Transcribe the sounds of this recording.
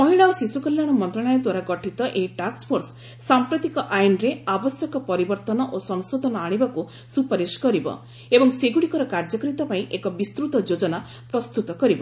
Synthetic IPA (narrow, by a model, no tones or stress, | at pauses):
pɔɦiɭawsisukɔlːaɽ̃ɔmɔnt̪ɾɔɽ̃ɔjɔd̪waɾaɡɔʈʰit̪ɔʔeʈakspʰoɾsː | ampɾot̪ikɔʔajnɾeabɔsjɔkɔpɔɾibɔɾt̪ɔnɔʔosɔŋsod̪ʱɔnɔaɽ̃ibaku | supɔɾiskɔɾibɔ̰ | ebɔŋseɡuɽikɔɾɔkaɾd͡ʒɔkɔɾit̪ɔpaĩʔekɔbist̪ɾut̪ɔd͡ʒod͡ʒɔna | pɾɔst̪ut̪ɔkɔɾibɔ